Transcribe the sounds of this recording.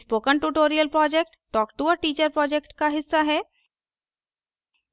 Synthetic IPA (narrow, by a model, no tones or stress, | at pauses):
spoːkənʈuʈoːɾijəlpɾɔːd͡ʒek̚ʈʈɔːkʈuʋəʈiːt͡ʃəɾpɾɔːd͡ʒekʈkaɦɪsːaɦɛː